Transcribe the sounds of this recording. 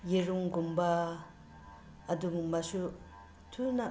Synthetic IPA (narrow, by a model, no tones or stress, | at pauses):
jeɾuŋɡumba | duŋmasu | tʰuna